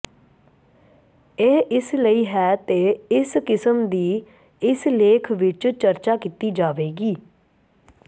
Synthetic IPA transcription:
eːɪsləiːɦɛːt̪eːɪskɪsəmd̪iː | ɪsleːkʰʋɪt͡ʃt͡ʃəɾt͡ʃaːkit̪iːd͡ʒaːʋeːɡiː

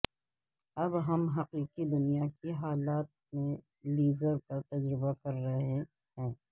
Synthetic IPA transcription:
ɐbɦɐmɦɐqiːqid̪ʊnijakiɦaːlaːt̪̚mẽ | liːzəɾkat̪ɐd͡ʒɾɪbakɐɾːɐɦe | hɛ̃ː

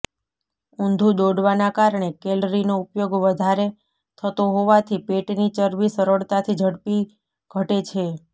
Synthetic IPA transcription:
und̪ʱũd̪oɽʋanakaɾɳ̃ekelɾinoupjoɡʋəd̪ʱaɾe | t̪ʰət̪oɦoʋat̪ʰipeʈnit͡ʃəɾʋisəɾəɭt̪at̪ʰid͡ʒʱəɽpi | ɡ̥ʱəʈet͡ʃʰe

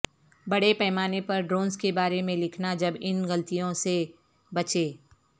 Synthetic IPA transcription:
bɐɽepɛɦmaːnepɐɾɖɾoːnzkebaːɾemẽlɪkʰnad͡ʒɐbɪnɣɐlt̪ijõse | bɐt͡ʃeː

